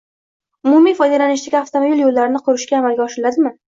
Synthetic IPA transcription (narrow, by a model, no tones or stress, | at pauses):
ʊmʊmijfɒjd̪elanɪʃd̪aɡʲaft̪ʰomobilˠjolːaɾɪnɪqʰʊɾɪʃkʲaːmalɡʲaɒʃɪlad̪ɪmɪ